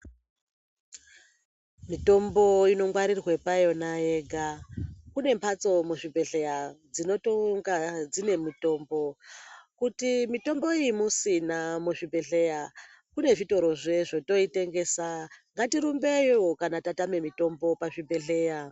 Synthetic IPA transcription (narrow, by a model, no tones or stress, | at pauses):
mito̞mbo̞ino̞ŋɡwaɾirwe̞pajo̞naeɡʱakune̞mpʰat͡so̞muʐibʱe̞ɬe̞jad͡zino̞toŋɡad͡zine̞mito̞ːmbo̞kutimito̞mbo̞imusinamuʐibʱe̞ɬe̞ja | kune̞ʐito̞ɾo̞ʐe̞ʐoto̞ite̞ŋɡe̞ːsaŋɡatiɾumbejwokanatatame̞mito̞mbo̞paʐibʱe̞ɬe̞ja